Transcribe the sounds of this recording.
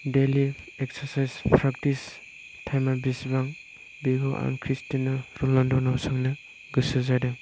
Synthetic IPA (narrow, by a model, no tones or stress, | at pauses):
deli | eksaɾsajzpʰɾak̚tis | tʰajmabisbaŋ | biɡoʔa̰nkʰɾistinaɾulɔndɔnasɔŋnɯ | ɡɯsɯzadɯ